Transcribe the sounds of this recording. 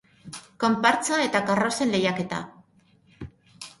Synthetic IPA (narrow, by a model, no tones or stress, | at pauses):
ko̞mpaɾt͡sae̞t̪akarose̞nle̞jake̞t̪a̰